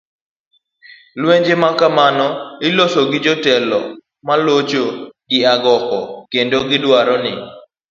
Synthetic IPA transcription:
lweɲd͡ʒemakamanɔɪlosoɡɪd͡ʒotɛlɔ̰ | malot͡ʃoɡɪaɡɔkɔkendoɡɪdwaɾɔnɪ̰

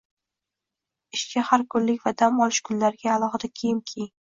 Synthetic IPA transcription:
ɪʃkʲʰahaɾkʰʊllːɪk̚ʲvad̪amɒlˠɪʃkʰʊnlaɾɪɡʲaːlˠɒχɨd̪akʲʰejɪmkʲʰejɪŋ

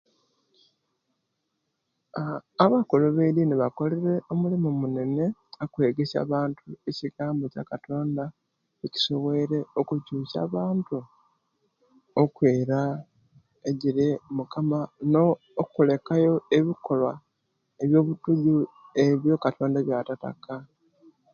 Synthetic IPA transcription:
βakoloβeɾineβako̞le̞ɾe̞o̞mulimumune̞ne̞akwe̞ːɡe̞sa̰βaːntʰue̞ciɡaːmbo̞ca̰kato̞ːnda | eci̥so̞βwe̞ɾe̞okucuːsa̰ːβaːntu | okweːɾa | eɟiɾemukamanoː | kule̞kajo̞eβiko̞lwa | eβjo̞ːβutuɟue̞βjo̞katʰo̞ːndaβjatata̰ka

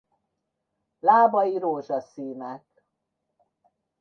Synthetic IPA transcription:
laːbɒjiɾoːʒɒsiːnɛk

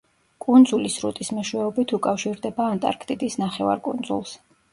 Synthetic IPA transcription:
kʼund̪zulisɾṵt̪ʼismɛʃwɛɔbit̪ʰukʼafʃiɾd̪ɛbaːnt̪ʼa̰ɾkʰt̪ʼid̪isnaχɛva̰ɾkʼund̪zṵlˠs

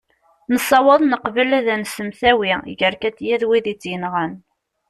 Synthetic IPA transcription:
nəsˤːɑwɑðˤnəqvəlæðænsəmθæwiʝəɾkæt͡sːjæðwiðit͡sːjənʁən

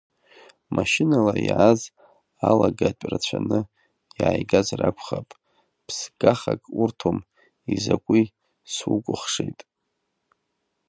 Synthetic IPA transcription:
maʃɪnalaiʕaz | alaɡat͡ʃʷʼrat͡ɕʷʰanɨ | jiajɡazrʔakʷʰχapʼ | pʰsɡ̥aχakʼurtʰom | izakʷʼi | swukʷʼʊχʂejtʼ

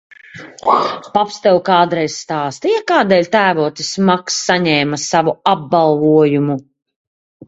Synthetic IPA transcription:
papst̪ɛwkaːd̪ɾɛjsst̪aːst̪ijakaːd̪ɛːlʲt̪æːvuɔt̪ismaksːaɲɛːmasavuab̚balˠvuɔjumu

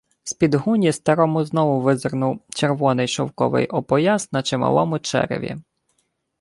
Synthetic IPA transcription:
spʲid̪ɦunʲist̪ɐɾɔmʊznɔʋʊʋɪzrnʊwt͡ʃeɾʋɔnɪjʃɔwkɔ̰ʋɪ̰jʔɔpɔjasnɐt͡ʃɪmɐ̰lˠɔmʊt͡ʃɛ̰ɾɪ̰ʋʲḭ

